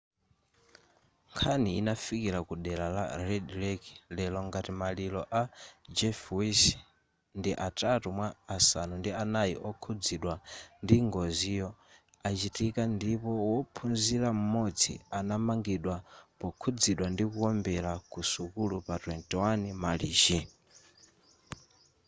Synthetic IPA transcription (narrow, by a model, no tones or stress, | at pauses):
ŋkʰaniinafikiɾakuɗɛlala̰ɾɛdɾɛki̥lɛlɔŋɡatimalilɔʔad͡ʒɛfwis | ndiʔatatumwaːsanundianajiʔɔkʰud͡ziɗwandiŋɡɔzijɔ | at͡ʃitikandipɔwɔpʰunziɾam̩mɔd͡zʰḭanamaŋɡiɗwapɔkʰud͡ziɗwandikukɔmbɛlakusukulupatwɛntɛwanimaliːt͡ʃi